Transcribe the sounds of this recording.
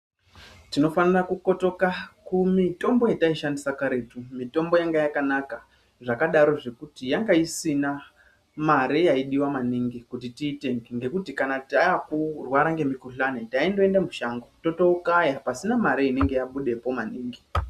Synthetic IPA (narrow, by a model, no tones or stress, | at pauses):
tino̞fanarakuko̞to̞kakumito̞mbo̞jataiʃandisakaɾe̞tumito̞mbo̞jaŋɡajakanaka | ʐakaɗaɾo̞ʐe̞kutijaŋɡaisina | maɾejaiɗiwamaniŋɡikutitiːte̞ŋɡeŋɡe̞kutikanatiaakurwaɾaŋɡe̞mikuɬanetaindo̞e̞ndamuʃaŋɡoto̞to̞ukajapasinamaɾeine̞ŋɡe̞jaɓuɗe̞po̞maniːŋɡi